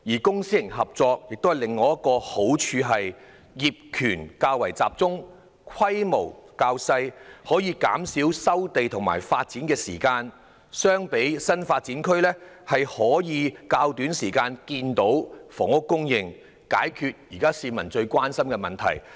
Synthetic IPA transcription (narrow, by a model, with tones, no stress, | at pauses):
jiː˨˩kʊ˥ŋsiː˥jɪ˨˩ŋɦɐ˨p̚t͡sɔː˧k̚jɪ˨k̚t̪o˥whɐ˨jlɪ˨ŋːɔː˨˧jɐ˥t̚kːɔː˧ho˨˥wt͡ʃʰyː˨˧ɦɐ˨j | jiː˨p̚kʰyː˨˩nkaː˧wɐ˨˩jt͡saː˨p̚t͡sʊ˥ŋ | kʰɐ˥jmo˨˩wkaː˧wsɐ˧jhɔː˨˥jiː˨˧ka̰ː˨˥msiː˨˥wsɐ˥wt̪e˨jt̪ʰʊ˨˩ŋma̰ː˨˩jfaː˧t̚t͡siː˨˥nkɛː˧sḭː˨˩kaː˧n | sœː˥ŋpe˨˥jsɐ˥nfaː˧t̚t͡si˨˥nkʰlɛː˥hɐ˨jhɔː˨˥jiː˨˧kaː˧wt̪yː˨˥nsiː˨˩kaː˧nkiː˧nt̪o˨˥wfɔː˨˩ŋʊ˥kːʊ˥ŋjɪ˨ŋ | ka̰ː˨˥jkʰyː˨˧t̚jiː˨˩kaː˥siː˧mɐ˨˩nt͡ʃɵ˧ɥkʷwaː˥nsɐ˥mkɛː˧mɐ˨˩nt̪ʰɐ̰˨˩j